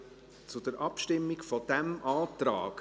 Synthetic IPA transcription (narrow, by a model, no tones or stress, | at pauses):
t͡sʊd̥əɾʔɑpʃtɪmːɪɡfɔd̥ɛmʔaːtɾa̰ːɡ